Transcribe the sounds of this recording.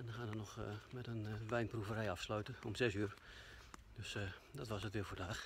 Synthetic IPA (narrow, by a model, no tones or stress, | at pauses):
ɛndɔnxaːnənɔxmɛtənʋɛjnpruvərɛjafslœɥtəomsɛsyər | d̥øsdɔtʋasətʋɪːfoːdaːx